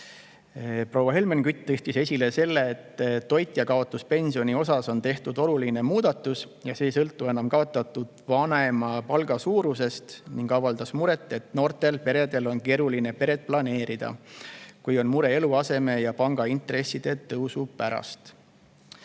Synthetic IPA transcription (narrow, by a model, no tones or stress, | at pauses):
pro̞wːɑɦe̞lmenkyt̪ˑːɯht̪ise̞sʲile̞se̞lːeːt̪ːo̞jt̪ʲːˑjɑkɑo̞t̪ːˑuspe̞nʲsio̞nʲio̞sɑso̞nt̪e̞ht̪ud̪̥o̞luline̞muːd̪̥ɑt̪ːˑus | jɑse̞ːjsɤlt̪ːˑue̞nɑmkɑo̞t̪ːˑɑt̪ːˑud̪̥vɑne̞mɑpɑlɡ̥ɑsuːɾuse̞st̪niŋɡ̥ɑvɑld̪ɑsmuɾe̞t̪ːˑe̞t̪no̞ːrt̪e̞lpe̞ɾe̞d̪e̞lo̞nke̞ːɾuline̞pe̞ɾe̞d̪t̪̚plɑne̞ːɾid̪̥ɑ̰kujo̞nmuɾe̞e̞luɑse̞me̞jɑpɑŋɡ̥ɑint̪ɾe̞sːid̪̥e̞t̪ɤwsupæɾɑ̰st̪